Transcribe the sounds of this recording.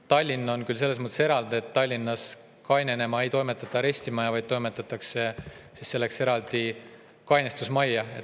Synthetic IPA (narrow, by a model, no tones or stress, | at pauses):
t̪ɑlʲːinːɑonkylse̞lːesmɤt̪ːese̞ɾɑld̪̥eet̪ːɑlʲːinːɑs | kɑjnene̞mɑe̞jt̪o̞jmet̪ːˑɑt̪ːˑɑɾe̞sʲt̪imɑjɑvɑjd̪̥̚t̪o̞jmet̪ːˑɑt̪ːˑɑkse̞sisse̞lːe̞kse̞ɾɑld̪̥i | kɑjnest̪usmɑjːɑe